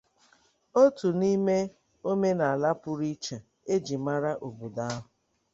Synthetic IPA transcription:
o˦tu˨ni˦me˦ | o˦me˦na˨a˨la˦pʊ˦ɾi˦t͡ʃa˨ | e˦d͡ʒi˨ma˦ɾa˦ʔo˨bu˨da˦ɦʊ˨

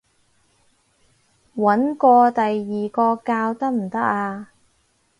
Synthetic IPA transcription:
wɐ˨˥nkɔː˧t̪ɐ˨jːiː˨˩kɔː˧kaː˧wt̪ɐ˥k̚m̩˨˩t̪ɐ˥k̚aː˧

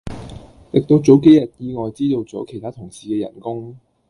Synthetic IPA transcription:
t̪ɪ˨k̚t̪o˧wt͡so˨˥wke˥jɐ˨t̚jiː˧ŋɔː˨jt͡siː˥t̪o˨˧wt͡sɔː˨˥kʰe˨˩jt̪aː˥t̪ʰʊ˨˩ŋsiː˨kɛː˧jɐ̰˨˩nkʊ˥ŋ

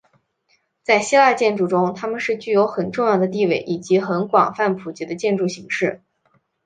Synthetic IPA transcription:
t͡sa˥˩ɪɕi˥la˥˧t͡ɕjɛ˥˧nʈ͡ʂu˥˩ʈ͡ʂʊ˥ŋt̪ʰa˥mə˨nʂɻ̩˥˧t͡ɕy˥˩jo˧˥ʊxə˨˩nʈ͡ʂʊ˥˧ŋjɑ˥˩ʊd̪ə˩t̪̬i˥˧we˥˩ɪʔi˨˩t͡ɕi˧˥xə˧˥nkwɑ˨˩ŋfa˥˩npʰu˨˩t͡ɕi˧˥d̪ə˧t͡ɕjɛ˥˧nʈ͡ʂu˥˩ɕi˧˥ŋʂɻ̩˥˩

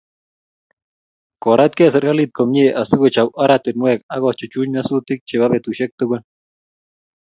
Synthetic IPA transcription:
kɔ˨ɾa˦t̪kɛ˦s̬ɛ˨ɾɡa˦lit̪̚kɔ˨mɲe˦ʔa˨sɪ˦kot͡ʃa˨pa˦ɾat̪ɪ˨nwɛ˦˨ka˦ɣɔ˨t͡ʃʊ˨t͡ʃu˦ɲma˦su˦t̪ɪ˦k̚t͡ʃe˨βa˦βɛ˨t̪u˨ʃɛ˦k̚t̪ʊ˦ɡe˦n

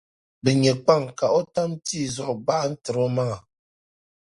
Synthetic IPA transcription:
bɨ˨ɲɛ˨k͡pa˦˨ŋka˨ʔɔ˦ta˦mtiː˦˨zɔ˦˨ʔba˦ʔn̩˦tɨ˨ɾɔ˦ma˦ŋa˨

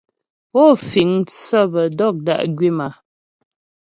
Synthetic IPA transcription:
ɔ˦˨fi˨ŋt͡sə˦˨bə˨dɔ˦˨k̚da̰˦ʔɡɥi˦ma˨

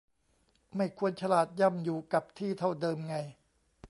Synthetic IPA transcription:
ma˥˩jkʰu˧ənt͡ɕʰa˧laː˨˩t̪̚ja˧˥˩mjuː˨˩ka˨˩p̚t̪ʰiː˥˩t̪ʰa˥˩wdɤː˧mŋa˧j

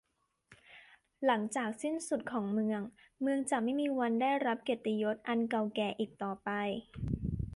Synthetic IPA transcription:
la˩˦ŋt͡ɕaː˨˩k̚si˥˩nsu˨˩t̪̚kʰɔː˩˦ŋmɯ˧əŋ | mɯ˧əŋt͡ɕaː˨˩ma˥˩jmiː˧wa˧ndaː˥˩jɾa˦˥p̚ke˨˩t̪ːi˧jo˦˥t̪̚ʔa˧nka˧wkɛː˧ʔiː˨˩k̚t̪ɔː˨˩pa˧j

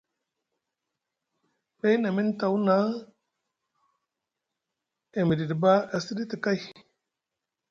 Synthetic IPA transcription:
be˦na˨mi˦n˦ta˨wu˦na˦ | e˨mi˨di˨di˨ba˦a˨si˦di˦ti˨ka˦j

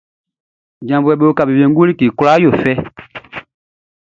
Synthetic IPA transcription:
d͡ʒã˨mbu˨ɛ˨ɓe˦o˦ka˨be˨bɛ̃˨˦ŋ˦ɡu˦li˦ki˨ku˦la˦jo˨fɛ˦

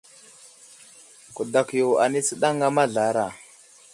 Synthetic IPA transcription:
ku˨da˨kjo˨a̰˨ni˦t͡sə˦ɗa˦ŋa˦ma˦ɮa˨˦ɾa˨

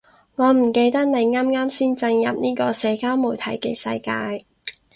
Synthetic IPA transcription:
ŋɔː˨˧m̩˨˩ke˧jt̪ɐ˥k̚ne˨˧jŋaː˥mŋaː˥msiː˥nt͡sɐ˧ŋjɐ̰˨p̚niː˥kɔː˧sɛː˨˧kaː˥wmuː˨˩t̪ʰɐ˨˥jke˧sɐ̰˧jkaː˧j

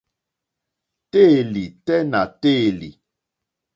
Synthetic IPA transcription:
te˦˨li˨tɛ˦na˨te˦˨lḭ˨

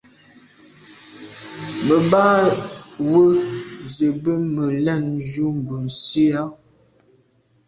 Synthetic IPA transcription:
mə˨baː˦ | wə˦zə˨bə˦mə˨lɛ˦˨nd͡ʒu˦m̩˨bə˨n˨si˦a˦

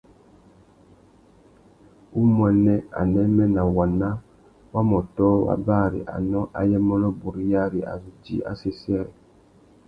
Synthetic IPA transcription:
u˦mwɛ˨nɛ˦a̰˨nɛ˦mɛ˦na˨wa˨na˦ | wa˦mɔ˨tɔː˦wa̰˦baː˦˨ɾḭ˨ʔa̰˨nɔ˦ʔa˨jɛ˦mɔ˦lɔ˦bu˨ɾi˦ja˦˨ɾi˨ʔa̰˨zu˨d͡ʒḭ˨˦ʔa̰˨se˦sɛ˦ɾɛ̰˨

